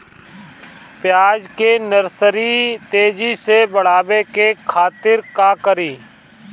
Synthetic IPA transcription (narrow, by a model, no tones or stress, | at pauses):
pɪjaːd͡ʒkeːnəɾsəɾiːt̪eːd͡ʒiːseːbəɽ̤aːʋeːkeːkʰaːt̪ɪɾkaːkəɾiː